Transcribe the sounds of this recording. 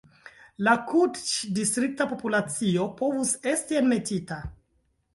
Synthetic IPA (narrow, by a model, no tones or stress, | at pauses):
lakʰudt͡ʃdistɾik̚tapo̞pulat͡sio̞po̞vuse̞stienme̞tita